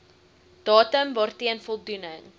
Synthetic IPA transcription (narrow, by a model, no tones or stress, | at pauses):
d̥ɑːtəmvɑrtiənfɔlˠdunəŋ